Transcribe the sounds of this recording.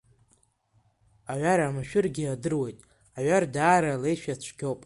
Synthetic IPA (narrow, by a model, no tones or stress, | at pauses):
aɥʷaɾamaʃᶣɪrɡʲɪadɨrwe̞jtʼ | aɥardaːɾalejʃᶣat͡ɕʷʰɡʲowpʼ